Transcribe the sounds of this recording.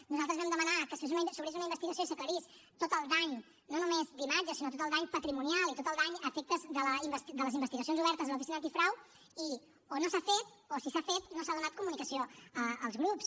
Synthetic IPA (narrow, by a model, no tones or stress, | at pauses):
nuzalˠt̪əzβɛmd̪əmənakəsez̬unsuβɾez̬unəimbəst̪iɣəsioisəkləɾis | t̪ot̪əlˠd̪aɲ | nonumezd̪imad͡ʒəsinot̪ot̪əlˠd̪aɲpət̪ɾimunjalˠit̪ot̪əlˠd̪aɲəfek̚t̪əzðələimbəst̪id̪ələzimbəst̪iɣəsionzuβɛɾt̪əzðəlupisinənt̪ifɾaw | i | onosafet̪̚ | osisafet̪nosaðunat̪̚kumunikəsioəːlˠzɣɾups